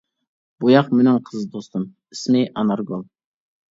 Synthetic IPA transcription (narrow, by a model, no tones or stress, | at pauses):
b̥ujɑqmɪnɪŋqʰəzd̪ost̪ɨm | ismɪʔɑnɑɾɡolˠ